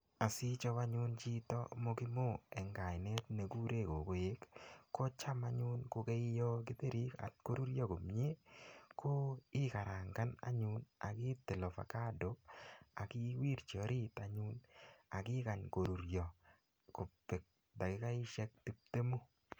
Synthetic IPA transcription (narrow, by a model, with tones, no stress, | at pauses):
a˨si˦t͡ʃɔ˦wa˦ɲʊ˦nt͡ʃi˦tɔ̰˦mɔ˦kɪ˦mo˦˨ɛ˨ŋɡa˨jne˦t̪ne˨ɡu˦ɾe˦˨ko˨ko˦je˦kːo˦t͡ʃa˦ma˦ɲʊ˦nkʊ˧ke˦jɔ˦k̬ɪ˦te˦ɾi˦ka̰˨tko˦ɾu˦ɾjɔ˦ko˨mɲe˦ko˦ɪ˦ka˨ɾa˨ŋɡa˦na̰˦ɲʊ˦na̰˨kɪ˦tɪ˨lɔ˨fa̰˨ka˦do˨˦a˨kɪ˦wi˦ɾt͡ʃi˨ɔ˨˦ɾi˦ta˨ɲʊ˦na˨kɪ˦ka˨nko˨ɾu˨ɾjɔ˨ | kʊ˨pːe˨k̚ | da˨kɡɪ˦ka˦ɪ˦ʃɛ˦k̚ti˦p̚te˦mu˦